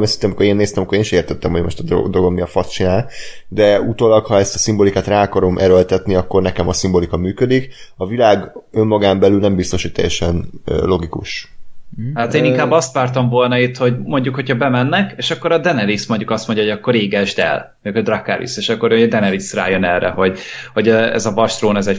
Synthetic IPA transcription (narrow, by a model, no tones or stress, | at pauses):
mɛsint̪ɛmikoɾeːnːeːst̪ɛmɒkːoeːniʃeːrt̪ɛt̪ːɛmho̞ɟmo̞ʃt̪ɒd̪o̰d̪oɡomiɒfɒst͡ʃinaːld̪ɛut̪oːlɒkhɒɛst̪ɒsimbolikaːt̪raːɒkɒɾo̞mʔɛɾølt̪ɛt̪niɒkːo̞rnɛkɛmɒsimbo̞likɒmyːkød̪ikɒvilaːɡø̞mːɒɡaːmbɛlylnɛmbist̪o̞ʃhoc̚t̪ɛ̰jɛʃɛnlo̞ɡikuʃ | haːt̪eːniŋkaːbːɒst̪ʋaːrt̪ɒɱvo̞lnɒit̪ho̞ɟmo̞ɲɟukho̞cʰɒbɛmɛnːɛkeːʃɒkːo̞ɾɒd̪ɛnɛlismo̞ɲɟukɒst̪moɲɟjɒo̞ɟɒkːo̞ɾeːɡɛʒd̪ɛ̰lmoɲukʰd̪rɒkːa̰ɾḭseːʃɒkːo̞ɾd̪ɛnɛlisra̰ːjønɛrːɛ̰ho̞ɟho̞ɟɛɛ̰zɒvɒʃt̪roːnɛzɛ